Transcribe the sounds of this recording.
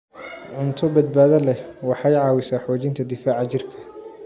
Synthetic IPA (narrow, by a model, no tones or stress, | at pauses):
ʕʊnt̪ʰɔbɐd̪̚baːðɐlɛwɑħɑjʕɑːwɪsaːħɔːt͡ʃɪnt̪ʰɐd̪ɪfaːʕɑt͡ʃɪrkʰɐ̥